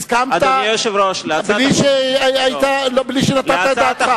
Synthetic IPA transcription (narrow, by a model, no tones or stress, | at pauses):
skamadt̪ajoʃevɾoʃlealiʃeait̪alobliʃenat̪at̪aeat̪χa